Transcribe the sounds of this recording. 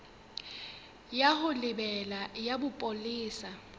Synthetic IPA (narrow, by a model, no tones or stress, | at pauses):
jaɦʊlɪbɛlajabʊpʼoliːsa